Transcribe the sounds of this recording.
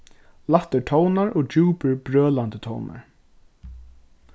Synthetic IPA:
laht̪əʈʰɔwnaɹɔːd͡ʒuːpəɹbɹœːlant̪ət̪ʰɔ̰wna̰ɹ

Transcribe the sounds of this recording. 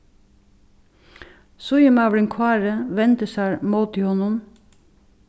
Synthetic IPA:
sʊjəmɑʋɽɪŋkʰʋɑːɹəʋɛnt̪əsæːɹmoːt̪ʰɪhɔnʊm

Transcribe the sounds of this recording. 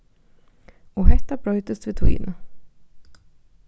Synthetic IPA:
ɔɦɛt̪ːabɾɔʏt̪əsvɪt̪ʰuːɪ̰nː

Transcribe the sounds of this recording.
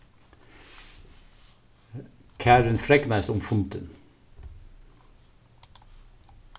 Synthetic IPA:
kʰæːɾənfɾɛknæɪsʊmfʊnt̪ə̰n

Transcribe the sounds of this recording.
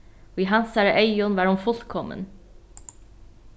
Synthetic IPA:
oːiːɦɑnsæːɾəʔæɪʊnʋæːɾhʊnfɔlkʰɔmə̰n

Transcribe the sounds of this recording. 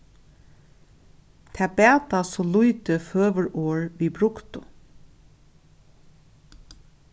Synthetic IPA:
t̪ʰɛːbɛːt̪asɔlujt̪əføːʋəɹoːɹʋiːbɾʊkt̪ʊ

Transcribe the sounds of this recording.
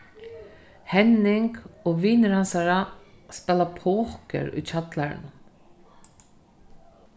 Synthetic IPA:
hɛnːɪŋkɔːʋiːnɾansaɾaspɛlapʰoːhkə̰ɾʊ̰jt͡ʃʰat̪laɾ̰n

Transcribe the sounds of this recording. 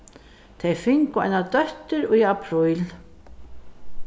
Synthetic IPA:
t̪ʰejfɪŋkʊa̰jnat̪œht̪ʏɾɔɣiapʰɾujl

